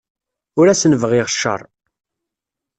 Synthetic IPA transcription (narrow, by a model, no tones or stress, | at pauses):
ʊɾæsənəvʁɪʁəʃːə̰ɾˤ